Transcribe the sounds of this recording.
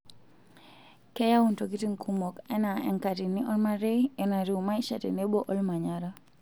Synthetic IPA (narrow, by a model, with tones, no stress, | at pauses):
kɛ˦ja˦wu˨nto˨ki˦ti˦ŋkʰu˦mo˨kɛ˦na˨ɛ̰˦ŋka˨ti˨ni˦ʔɔ˦lma˦ɾe˦ɛ˦na˨ɾi˦u˨ma˦i˦ʃa˨tɛ̰˨ne˦bo˦ʔɔ˦lma˨ɲaɾa